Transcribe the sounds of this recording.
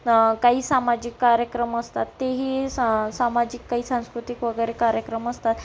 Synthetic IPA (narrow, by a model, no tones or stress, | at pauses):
kaɦiːsamad͡ʑikːaɾjəkɾəməst̪at̪ːeɦiːsamad͡ʑikːaɦiːsãw̃skɾut̪ikʋəɡəjɾekaɾjəkɾəməst̪at̪